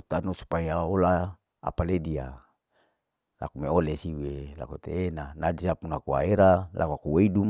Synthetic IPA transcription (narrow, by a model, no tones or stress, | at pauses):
t̪anosu̥pajaola | a̰paledia | la̰kumeolesiwela̰kot̪ḛːnanad͡ʒisapunakua̰eɾalʔa̰kakuweidum